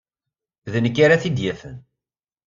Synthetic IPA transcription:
ðənəkːaɾaθid̪jæfə̰n

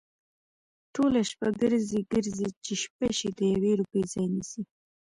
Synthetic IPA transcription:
ʈolaʃpaɡəɾziɡəɾzit͡ʃeʃpaʃid̪əjaweɾupəzɑjnisi

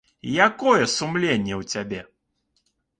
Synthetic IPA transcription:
jakɔjɛsumlʲenʲːɛwt͡sʲabʲɛ

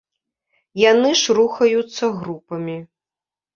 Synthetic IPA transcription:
janɨʂɾuxɐjut̪sːɐɣɾupɐmʲi

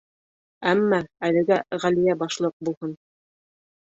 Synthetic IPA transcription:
æmːɑælɘ̆ɡæʁælijæbɑʃlˠɤq̚bulˠhɤn

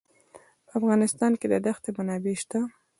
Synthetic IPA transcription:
pəafɣɑnɪst̪ɑnked̪əd̪axt̪emanɑbeʃt̪a

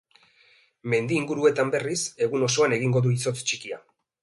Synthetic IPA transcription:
me̞nd̪iːŋɡuɾue̞t̪ambe̞rise̞ɣuno̞so̞ane̞ɣ̞iŋɡo̞ðuiso̞t͡st͡ʃikia̰

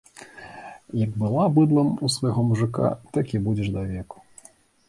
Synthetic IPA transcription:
jɐɡbɨlˠabɨd̪lˠɐmusvɐjɣɔmuʐɨka̰t̪ɨkʲibud͡zʲɛʐd̪avʲɛku̥

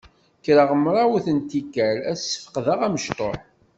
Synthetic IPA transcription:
kɾəʁəmːɾˤɑwθənt̪ikːæɾæsːə̥fə̥qðaʁæməʃt̪ˤoħ

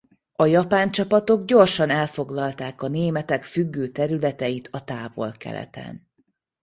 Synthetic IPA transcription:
ɒjɒpaːnt͡ʃɒpɒt̪o̞ɡɟo̞rʃɒnɛlfo̞ɡlɒlt̪aːkɒneːmɛt̪ɛkfyɡːøːt̪ɛɾylɛt̪ɛjit̪ʰɒt̪aːvo̞̰lkɛ̰lɛ̰t̪ɛ̰n

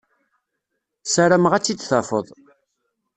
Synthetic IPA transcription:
sæɾæmʁæt͡sːid̪θɑfə̰ðˤ

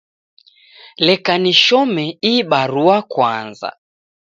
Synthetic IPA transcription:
lɛkaniʃɔmɛiɓaɾuakwa̰nza̰

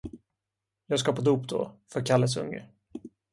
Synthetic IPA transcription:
jɑːɡskapʰɔd̪uːpd̪o̰ːfœɾkʰalːəsɵ̰ŋːə̰

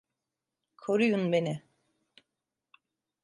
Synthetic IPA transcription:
kʰo̞ɾujunbe̞nɪ

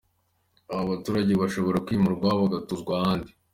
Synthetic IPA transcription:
aβaβatuːɾaɟe̞βaʃo̞βo̞ɾakwiːmuɾɡwaβaɡatuzɡwaandi

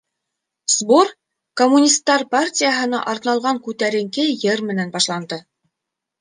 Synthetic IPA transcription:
sbor | komːunʲist̪ːɑɾpartʲijəɦɤ̆nɑʔɑɾnɑlˠʁɑŋkʉt̪æɾɘ̆ŋkɘjɘɾmɘ̆nænbɑʃlˠɑnd̪ɤ

